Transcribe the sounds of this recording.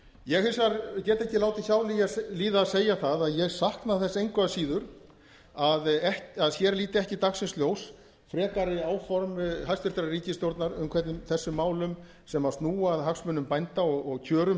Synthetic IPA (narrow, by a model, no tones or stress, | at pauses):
jɛɣhɪlsaɾcɛːt̪ɛhcɪlaːwt̪ɪçaːwlijaliːðaseːjaθaðaðjɛɣsahknaθɛsaejŋkʰvaasiːðʏɾ̥ | aðɛhcaðçɛɾliːt̪ɪɛhcɪt̪axsɪnst̪ljoːws | fɾɛːkaɾɪaːwfɔɾmɦajst̪vɪɾt̪ɾaɾiːcɪst̪jowɾt̪naɾʏmkʰvɛt̪nʏmθɛsːʏmːaːwlʏm | sɛmast̪nuːaðɦaksmʏnʏmpajnt̪aɔɣɔɣcʰœːɾʏm